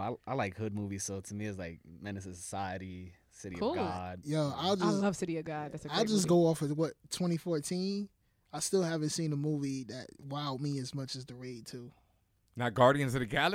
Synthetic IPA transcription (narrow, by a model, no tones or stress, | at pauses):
aɪaɪlaɪkhʊd̚muviz̥soʊtʰɨmiɨzlaɪk̚mɛnɨsɨsəsaɪɨɾi | sɪɾikɨulɡˠɑd̥̚jæaɪlˠd͡ʒʌslʌv̥sɪɾiɨɡɑd̚ðætsɨaɪlˠd͡ʒʌsɡ̥oʊɔfəwʌttʰw̥ɛ̃ɾ̃ifɔɹtʰĩn | aɪstɪlˠhævɨ̃nsĩnəmuviðɨt̚waɪʊt̚miɨzmʌt͡ʃɨzðəɹeɪt̚tʰu | naʊɡɑɹɾiɨ̃nzɨɨɡæl